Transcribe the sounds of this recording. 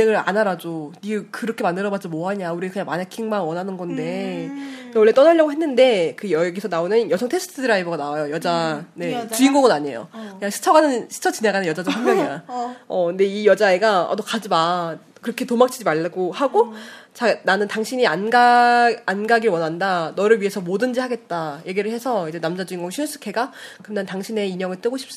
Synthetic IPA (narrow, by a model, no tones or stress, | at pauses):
ieŋɯɭa̰naɾad͡ʑonikɯɾʌkʰe̞mandɯɾʌbad͡ʑimoɦaɲauɾiɡakɯɲaŋmaɲakʰiŋmanwʌnɦanɯnɡʌnde̞ | wʌɭːe̞t͈ʌnaʎːʌɡoɦe̞nːɯnde̞kɯjʌeɡesʰʌnaonɯnjʌsʰʌŋtʰes͈ʰɯ̥tʰɯdɯɾaiboɡanawajojʌd͡ʑane̞t͡ɕuiŋɡoɡʌnaɲe̞̰jo̰kɯɲaŋɕʰi̥t͡ɕʰʌɡanɯnɕʰi̥t͡ɕʰʌt͡ɕineɡanɯnjʌd͡ʑad͡ʑɯaŋmjʌɲiaʌnde̞ijʌd͡ʑaeɡaʌ̰tokad͡ʑiba | kɯɾʌkʰe̞tomak̚t͡ɕ͈ʰid͡ʑimaɭːɡohaɡot͡ɕananɯntaŋɕʰiɲianɡaː | nɡaɡiɭwʌnandanʌɾɯɭɥie̞sʰʌmodɯnd͡ʑihaɡe̞t̚t͈aje̞ɡiɾɯɭhe̞sʰʌid͡ʑe̞namd͡ʑad͡ʑuiŋɡoŋɕʰis͈ʰɯ̥kʰe̞ɡakɯmnantaŋɕʰine̞iɲʌŋɯɭt͈ɯɡoɕʰi̥p̚s͈